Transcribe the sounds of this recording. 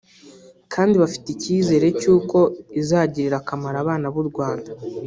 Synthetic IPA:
kʰaːndiβafi̥ticiːze̞ːɾe̞cuːko̞izaːɟiɾiɾakamaɾaːβaːnaβuɾɡwaːnda

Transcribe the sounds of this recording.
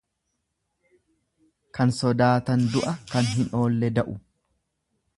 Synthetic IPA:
kɐnsɔd̪aːt̪ɐnd̪ʊʔɐkɐnɦɪno̞ːlːɛd̪ɐʔʊ

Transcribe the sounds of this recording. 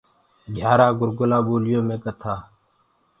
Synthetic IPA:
ɡʱjaːɾaːɡʊɾɡʊlãːboːlɪjõːmẽːkət̪ʰaː

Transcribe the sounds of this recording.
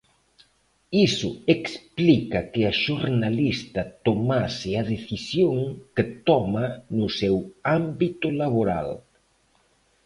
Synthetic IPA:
isʊeksplikɐkeaʃoɾnalist̪ɐt̪omasɪaðeθisjoŋket̪ɔmanʊsɛwambit̪ʊlaβoɾa̰l

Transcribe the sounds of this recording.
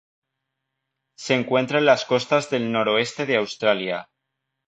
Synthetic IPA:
se̞ŋkwẽ̞nt̪ɾaenlasko̞st̪azðe̞lno̞ɾo̞e̞st̪e̞ð̞eawst̪ɾalja

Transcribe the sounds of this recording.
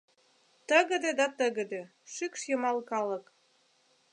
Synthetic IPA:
t̪əɣə̆d̪ed̪ɑt̪əɣə̆d̪ĕ | ʃykʃjəmɑlkɑlə̆k

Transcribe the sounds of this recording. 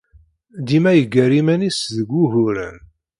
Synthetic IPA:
d̪imæjəɡːəɾimænisðəɡʷːuɦʊɾæ̰n

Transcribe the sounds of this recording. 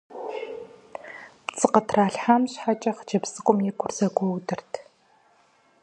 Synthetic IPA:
pt͡sʼɨqətʰraːɬħamɕħat͡ʃʼɐχt͡ʃɐpsɨkʷʼʊmjɛkʷʰʊrzɐɡʷɔwdɨrtʰ

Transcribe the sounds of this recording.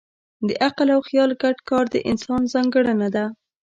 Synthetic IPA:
d̪əʔaqlawxjɑlɡaɖkɑɾd̪ə̰ʔɪnsɑnzɑŋɡəɽanad̪a

